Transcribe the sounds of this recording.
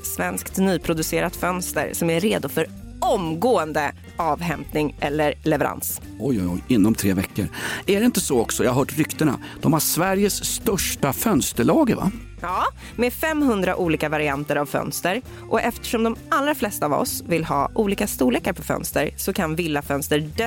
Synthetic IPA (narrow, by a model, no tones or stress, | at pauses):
svɛnskt̪nyːpʰɾʊd̪ɵseːɾat̪fœnst̪ə̰ɾsɔmæːeːd̪ʊfœɾɔmɡoːənd̪ə | ʔɑːvɦɛmpnɪŋʔɛlːəɾlɛvɛɾa̰ns | ɔjɔjɔ̰jɪnːɔmt̪ʰɾeːvɛ̰kːə̰ɾæɖɛɪnt̪əsɔɔksɔjaːhaɦœːʈɾʏkt̪əɳa̰ | d̪̥ɔmhaʂvæɾjəsːt̪œʂʈ̪afœnst̪əɭɑːɡəva̰ | ɑː | mefɛmːhɵnd̪ɾa̰ʔuːliːkavaɾɪant̪əɾavfœ̰nst̪əɾ | ʔɔʔɛft̪ə̥ʂɔmd̪ɔmalɾaflɛst̪aːvɔ̰svɪlhɑ̰ːʔuːliːkast̪uːleːkaɾpʰɔfœ̰nst̪əɾsɔkʰanvɪlːafœnst̪əɖɛ